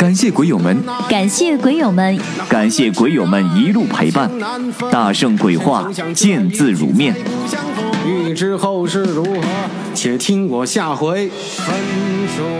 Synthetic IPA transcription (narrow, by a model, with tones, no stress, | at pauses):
ka˨˩nɕjɛ˥˩kwe˧˥ɪjo˨˩mə˧˦nka˨˩nɕjɛ˥˩kwe˧˥ɪjo˨˩ʊmə˧˥n | ka˨˩nɕjɛ˥˩kwe˧˥ɪjo˨˩mə˧˥ni˧˥lu˥˩pʰe˧˥ɪpa˥˩n | t̪a˥˩ʂɤ˥˧˩ŋkwe˨˩ɪxwa˥˧ | t͡ɕjɛ˥˧nt͡sɹ̩˥˩ɻṵ˧˥mjɛ˥˩n | y˥˨˩ʈ͡ʂɻ̩˥xo˥˧ʊʂɻ̩˥˩ɻu˧˥x | t͡ɕʰjɛ˨˩t̪ʰi˥ŋwɔ˨˩ɕja˥˩xwe˧˥ɪ˧˥˧